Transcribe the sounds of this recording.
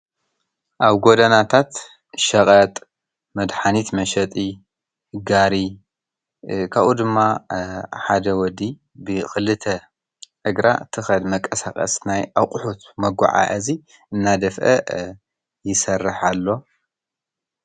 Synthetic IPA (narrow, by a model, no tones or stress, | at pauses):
ʔaβɡod̪ɐnat̪ʰat̪ | ʃɐqʼɐt̪ʼ | mɐd̪ħanit̪mɐʃɐt̪ʼi | ɡaɾi | kʰaβʔud̪ɨmːa | ħad̪ɐwɔd̪i | bɨxɨlːɨt̪ʰɐ | ʔɨɡɾa̰t̪ʰɨxɐd̪mɐkʼːɐsakʼɐ̰snajʔawqʼʊħut̪mɐɡʷa̰ʕa̰ʔɐzi | ʔɨnːad̪ɐfʔɐ̰ | jɪsɐrːɨħalːo̞